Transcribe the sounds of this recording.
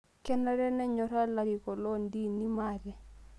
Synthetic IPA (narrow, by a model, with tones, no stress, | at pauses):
kɛ˦na˦ɾɛ˦nɛ˦ɲɔ˨ɾa˦la˨ɾi˨kɔ˨lɔ˦ndi˦ni˦ma˨ɾɛ˨